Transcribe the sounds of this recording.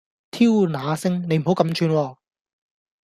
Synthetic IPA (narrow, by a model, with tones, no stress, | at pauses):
t̪ʰiː˥wnaː˨˧sɪ˥ŋne˨˧jm̩˨˩ɦo˨˥wkɐ˨˧˥mt͡ʃʰyː˧nwɔː˧